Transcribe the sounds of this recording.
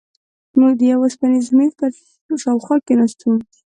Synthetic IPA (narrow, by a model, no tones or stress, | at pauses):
muɡ̚d̪əjawaspanizmiɾt̪aɾ | ʃɑwxwɑkenast̪und̪i̥